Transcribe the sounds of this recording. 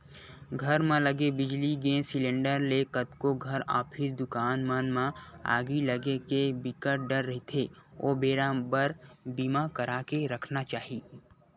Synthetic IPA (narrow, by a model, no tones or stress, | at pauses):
ɡʱəɾmãləɡebɪd͡ʒliɡẽːsɪlẽːɳɖəɾlekət̪koɡʱɐɾa̰ːpʰisd̪ʊkaːnmanmãa̰ːɡiləɡekebɪkəʈ̚ɖəɾːɐɦit̪ʰeo̰ːbeːɾãːbəɾbiːmakəɾaːkeɾəkʰnat͡ʃaːɦiː